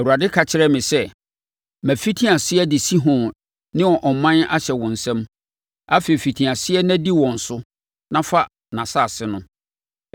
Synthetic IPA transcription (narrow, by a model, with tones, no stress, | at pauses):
æ˨u˨a˨dɪ˦kʰa˨t͡ɕʰɪ˦ɾɛ˦mɪ̃˨sɛ˦ | mæ̃˨fi˦tʰĩ˦a˨sɪ˦ɛ˦dɪ˨si˦ɦʊ̃˨ | nɪ̃˦wɔ˨ʔɔ˨mã˦na̰˦ɕɛ˨wɔ̃˨n̩˨sɛ̃˦m | a˦fe˨i˨fi˨tʰĩ˨a˨sɪ˦ɛ˦næ̃˦di˦wɔ̃˨n̩˨sʊ˦ | nã˦fa˦ | nã˨sa˦˨sɪ˦nʊ̃˦